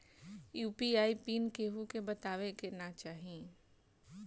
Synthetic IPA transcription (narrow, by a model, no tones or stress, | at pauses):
juːpiaːipiːnkeːɦukebɐt̪aːʋekenat͡ʃaːɦi